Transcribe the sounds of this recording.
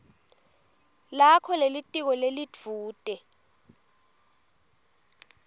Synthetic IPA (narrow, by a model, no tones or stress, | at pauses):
lakʰɔlelitʼik̬ɔlelid͡v̥ʱuːtʼɛ